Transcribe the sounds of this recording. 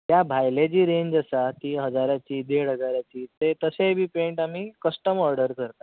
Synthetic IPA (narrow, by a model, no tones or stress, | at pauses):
t̪jabʱajlad͡ʑiːɾeɲd͡ʑəsat̪iːɦəd͡zaɾjat͡ɕiːd̪eɽɦəd͡zaɾjat͡ɕiːt̪et̪əsebʱiːpeɳʈamiːkəsʈəmɔɾɖəɾkəɾt̪a